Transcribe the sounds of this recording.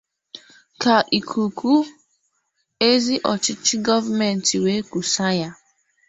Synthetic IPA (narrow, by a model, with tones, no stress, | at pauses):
ka˨ʔi˨kʰu˨ku˦ | e˦zi˦ʔɔ˨t͡ʃɪ˦t͡ʃɪ˦ɡɔ˦va˦me˨n̩˨ti˨we˨˦ku˨sa˦ja˦